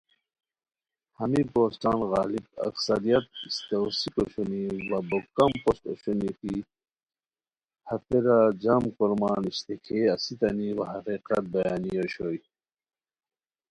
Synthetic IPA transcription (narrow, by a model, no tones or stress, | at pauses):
hɐmipoːsʈaːnɣɑ̰ːlib̚ɐ̰ksɐɾijɐt̪̚st̪ewsikoɕoniwɐbokɐmpost̪o̰ɕuniki | hɐt̪eɾad͡ʑamkoɾmɑːniɕt̪ekʰeɐsit̪ɐniwɐɦɐqiqɐt̪̚bɐjaːnijoɕoːji